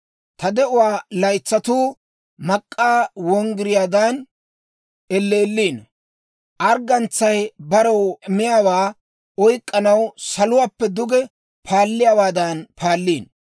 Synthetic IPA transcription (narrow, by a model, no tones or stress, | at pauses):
t̪ɐd̪ɛʔʊwaːlɐjt͡sːɐt̪uː | mɐkʼːaːwɔŋɡɪɾɪjaːd̪an | ɛlːe̞ːlːiːn | ʔɐɾɡɐnt͡sːɐjbɐɾɐwmɪjaːwaː | ɔjkʼːɐnɐwsɐlʊwaːpːɛd̪ʊɡɛ | pʰaːlːɪjaːwaːd̪ɐnpʰaːlːiːn